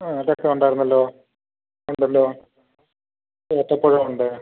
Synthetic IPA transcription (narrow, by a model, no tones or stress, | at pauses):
alek̚t̪ːɐmuɳɖaːjɾunːɐlːoː | eɳɖɐlːoː | et̪ːɐpːoɻɐmuɳɖɨ